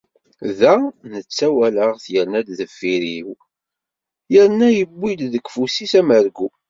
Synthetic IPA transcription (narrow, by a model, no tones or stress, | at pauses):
ðænət͡sːæwæləʁθjəɾnæd̪ðəfːiɾiw | jəɾnæjəbːilðəɡfusisæməɾɡu